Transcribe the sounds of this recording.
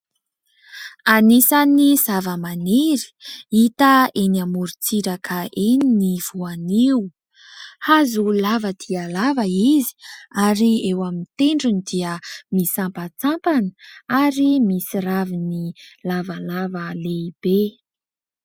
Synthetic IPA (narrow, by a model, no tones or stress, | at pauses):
anisanizavəmaneɾi̥it̪əeniamuɾit͡siɾakʰəʔeniniv̥uaniwu | hazulavəd̪̥ialavəizi̥aɾiewamint̪eɳɖ͡ʐunid̪iəmisampat͡sampanəaɾimisiravinilavalavəleib̥e